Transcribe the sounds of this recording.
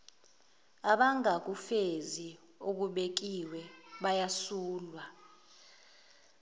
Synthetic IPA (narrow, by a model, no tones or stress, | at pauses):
aɓaŋak̬ufezi | ok̬uɓek̬iwɛɓajasuːlwa